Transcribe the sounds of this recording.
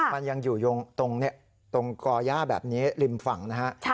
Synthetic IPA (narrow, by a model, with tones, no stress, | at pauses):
ma˧nja˧ŋjuː˨˩jo˧ŋt̪o˧ŋni˦˥˩ɐ | t̪o˧ŋkɔː˧jaː˥˩bɛ̰ː˨˩p̚niː˦˥li˧mfa˨˩˦ŋna˦˥ha˦˥ʔʰ